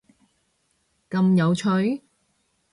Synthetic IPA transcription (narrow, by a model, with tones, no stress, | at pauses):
kɐ˧mjɐ˨˧wt͡ʃʰɵ˨˧˥ɥ